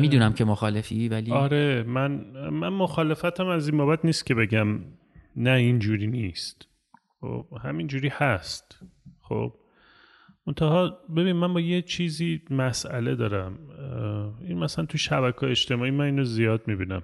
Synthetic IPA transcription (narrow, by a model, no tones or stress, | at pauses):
mid̪unæmcʰemoxɒːlefivæliɒɾemænmænmoxɒːle̞fæt̪ʰæmæzinmboːbæt̪niːst̪cʰe̞be̞ɟæm | næind͡ʒuːɾiːnist̪ | xo̰b̥hæmind͡ʒuːɾiːhæst̪xo̰ːb̥ | mont̪ʰæhɒːbe̞binimænbɒːjet͡ʃʰiːziːmæsʔæ̰le̞d̪ɒːɾæm | inmæslænt̪ʰuʃæβækʰɒːjeeʃt̪e̞mɒːiːmæniːnozijɒːd̪mibiːnæ̰m